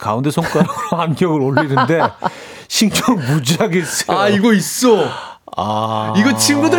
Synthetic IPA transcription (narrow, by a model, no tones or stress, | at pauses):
kaunde̞sʰoŋk͈aɾoohanɡjʌɡɯɾoɭinɯnde̞ | ɕʰint͡ɕʌŋɯɭmud͡ʑiaɡes͈ʌjoaiɡʌis͈oa̰iɡʌt͡ɕʰinɡudɯ